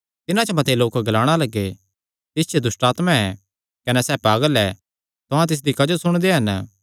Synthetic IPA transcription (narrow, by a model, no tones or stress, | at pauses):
t̪ɪnãt͡ʃɐmɐt̪eloːkɡɐlaːɽ̃alɐɡːe | t̪ɪst͡ʃʰed̪ʊsʈaːt̪mãɛ | kɐnɛsɛːpaːɡəlɛ | t̪ʊɦãt̪ɪs̬d̪ikɐd͡ʒosʊɽ̃d̪eɦɐn